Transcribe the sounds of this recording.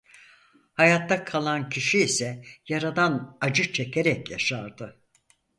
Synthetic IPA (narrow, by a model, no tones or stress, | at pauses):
hajat̪ːakʰalˠancʰiʃiːsɛjaɾad̪anad͡ʒɯt͡ʃʰe̞cʰeɾɛcjaʃaɾd̪ɯ